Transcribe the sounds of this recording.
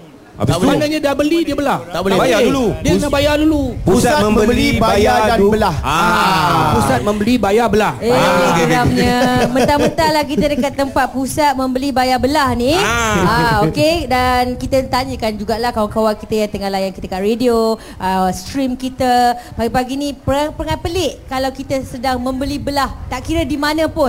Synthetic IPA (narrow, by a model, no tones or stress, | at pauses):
amanãɲadabəlidiəbəlaht̪abolebaauludiəsabajadulupusaməmbəbəlibaajaabəlahaapusat̪̚mə̃mbəlibajabəlahekəɾamɲəmə̃nt̪amənt̪alahkit̪ədəkat̪ːəmpat̪̚pusat̪̚mə̃mbəlibajabəlahniaokedankit̪ət̪aɲəkand͡ʒuɡaʔlahkawaŋkawankit̪əjaŋt̪əŋalajankit̪əkaʔɾedio | ʔəst̪ɾimkit̪əpaɡipaɡinipəaŋpɾəŋanpəlɪʔkalawkit̪əsədaŋmə̃mbəlibəlaht̪aʔkiɾədimanə̃pʊn